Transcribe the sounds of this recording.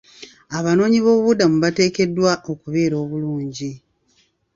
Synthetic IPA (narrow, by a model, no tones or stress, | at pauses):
aβano̞ːɲiβo̞ːββudamuβate̞ːke̞dːwaʔo̞kuβe̞ːɾo̞ːβuluːɲɟi